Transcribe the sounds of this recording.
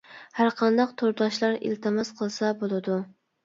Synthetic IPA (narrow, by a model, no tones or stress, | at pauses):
haɾqʰɑnd̪ɑq̚t̪ʰoɾd̪ɑʃlˠɑɾḛlt̪ʰɪmɛsqʰəlˠsɛbolˠɨd̪u